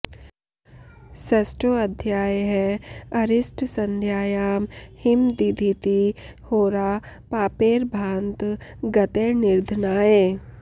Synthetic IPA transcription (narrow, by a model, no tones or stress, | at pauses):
sɐsʈɾoɐd̪ʱjaːjɦɛɐɾɪsʈsɐ̃nd̪ʱjaːjaːmhɪmd̪id̪ʱit̪ihoːɾaː | paːpeːɾbʱãːnt̪ɡɐt̪eːnɪɾd̪ʱnaːeː